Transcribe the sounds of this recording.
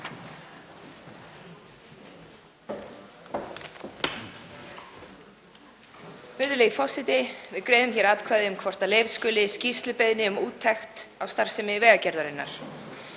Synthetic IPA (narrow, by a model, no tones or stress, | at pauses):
vʏɾðʏleːjifɔsɪt̪ɪvɪðkɾeːjðʏmçɛɾaːt̪kʰvaːðɪʏmkʰvɔr̥t̪aleːjvskʏːlɪscist̪lʏpeðnɪʏmuːt̪ʰːɛxt̪awst̪aɾ̥sɛmɪvɛːɣacɛɾðaɾɪnːa̰ɾ̥